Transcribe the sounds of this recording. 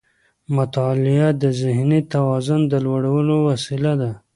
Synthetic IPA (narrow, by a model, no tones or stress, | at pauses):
mʊt̪ɑlɪad̪əzɪhnit̪awɑzʊnd̪əlwaɽawəlowasilad̪a